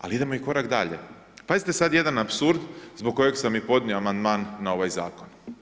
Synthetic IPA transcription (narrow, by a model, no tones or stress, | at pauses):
a̰liid̪emo̞iko̞ɾakd̪aʎe̞̰ | pazit̪e̞sad̪je̞d̪anapsuɾd̪zboɡ̚kːo̞jeɡsamːipo̞d̪nʲieoamand̪maːnːao̞ʋajza̰ːkon